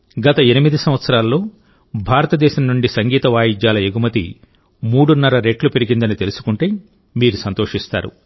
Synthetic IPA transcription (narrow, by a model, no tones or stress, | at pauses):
ɡɐt̪ɐenimid̪isɐmʋɐt̪sɐɾaːlɐːo̞ː | bʱaːɾɐt̪ɐd̪ɛːʃɐmnuɳɖisɐŋɡiːt̪ɐʋaːjid͡ʒjaːlɐjeɡumɐt̪ḭ | muːɽunːɐɾɐɾe̞ːʈlupeɾiɡind̪ɐnit̪e̞lusu̥kuɳʈeː | miːɾusɐnt̪o̞ːʂist̪a̰ːɾṵ